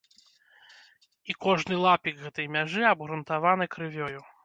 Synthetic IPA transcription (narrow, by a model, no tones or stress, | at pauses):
ikɔʐnɨlˠapʲikɣɛt̪ɐjmʲaʐɨɐbɣɾunt̪avanɨkɾɨvʲɔju